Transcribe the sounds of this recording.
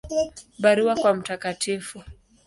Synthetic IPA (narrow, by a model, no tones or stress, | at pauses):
baɾuwakwam̩takatʰifu